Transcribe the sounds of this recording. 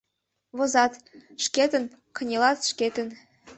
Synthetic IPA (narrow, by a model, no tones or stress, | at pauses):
βozɑt̪ʃket̪ə̆n | kɤ̆nʲelɑt̪ʃket̪ə̆n